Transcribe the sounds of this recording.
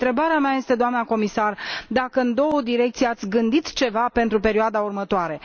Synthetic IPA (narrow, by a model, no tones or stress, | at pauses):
t̪ɾe̞baɾeamaje̞st̪e̞d̪oamnako̞misard̪akəɨnd̪o̞wəd̪iɾek̚t̪sijeat̪sʲɡɨnd̪it̪t͡ʃe̞vape̞nt̪ɾupe̞ɾioad̪aurmət̪oaɾe̞